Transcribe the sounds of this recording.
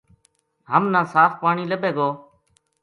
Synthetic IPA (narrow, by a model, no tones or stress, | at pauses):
ɦəmnãːsaːfpaːɳiːləbʱeːɡoː